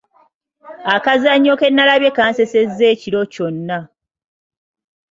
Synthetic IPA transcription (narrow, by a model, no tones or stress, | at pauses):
akazaɲːo̞ke̞nːalaβje̞kaːnse̞se̞zːe̞ːciɾo̞co̞nːa